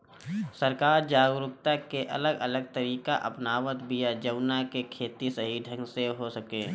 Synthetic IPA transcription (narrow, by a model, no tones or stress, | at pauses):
səɾkaːɾd͡ʒaːɡɾʊk̚t̪akeʔɐ̰ləɡələɡ̚t̪əɾiːkaʔɐ̰pnaːʋət̪bijad͡ʒəʊnakekʰeːt̪isəɦid̪ʱə̃ŋɡseɦosəkeː